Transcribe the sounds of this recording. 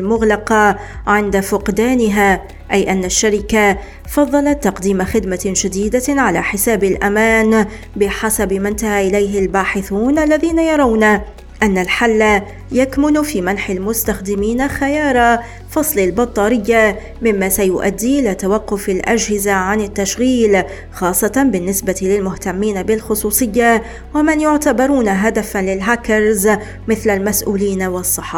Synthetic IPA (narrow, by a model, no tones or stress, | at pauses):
lmʊɣlɑqɑʕɪnd̪afʊqd̪aːnɪɦaː | ʔajʔanːaʃːaɾɪka | fɑðˤːɑlɑt̪ːɑqd̪iːmaxɪd̪maʒad̪iːd̪aʕala̰ːħɪsaːbalʔamaːn | bɪħasabmɪnt̪ahaːʔɪlajɦɪlbaːħɪθuːnʔalːaðiːnajɑɾˤɑwna | ʔanːalħalːa | jakmʊnfiːmanħalmʊst̪axd̪ɪmiːnaxajɑːɾˤɑ | fɑsˤlɪlbɑt̪ˤːɑːɾɪjːa | mɪmːasajʊʔa̰d̪ːiːʔɪlaːt̪awaqːʊfɪlʔa̰d͡ʒhɪzaʕanɪt̪ːaʃɣiːl | xɑːsˤːɑt̪bɪnːɪsbat̪lɪlmʊht̪amːiːnabɪlxʊsˤuːsˤɨjːa | wamanjʊʕt̪abɑɾˤuːnaɦad̪afanlɪlɦakɑɾz | mɪθlalmasʔṵːliːnawɑsˤːɨħːɑ